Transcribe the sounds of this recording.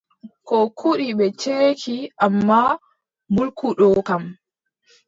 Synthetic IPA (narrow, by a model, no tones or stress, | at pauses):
kɔkʰuɗiɓɛt͡ʃeːkʰiʔamːa | mbulkuɗɔkam